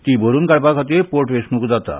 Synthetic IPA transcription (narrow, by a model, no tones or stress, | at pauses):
t̪iboɾunkaɽpakʰɔt̪epoɾʈʋesnukd͡zat̪a̰